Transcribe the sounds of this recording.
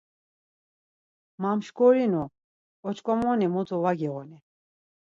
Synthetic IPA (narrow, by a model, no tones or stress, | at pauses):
mamʃkɔɾinu | ɔt͡ʃʰkʼɔmɔnɛmut͡sʰɔvaɡɛɣɔni